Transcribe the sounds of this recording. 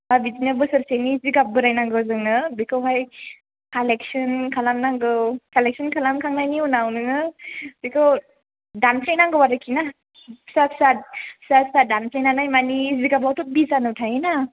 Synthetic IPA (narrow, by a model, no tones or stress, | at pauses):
abizinabɯsɯɾseniziɡap̚bɯɾajnaŋɡɯwzɯŋnɯbikʰɯwɦaj | kaleksɯnkʰalamnaŋɡɯkalek̚sɯnkʰalamkʰaŋnajniunawnɯnɯbikʰɯw | danpʰlejnaŋɡɯwaɾɯkʰina | sapsat̚sapsadanpʰlejnanajmaniziɡabawtɯbizanɯwtʰajina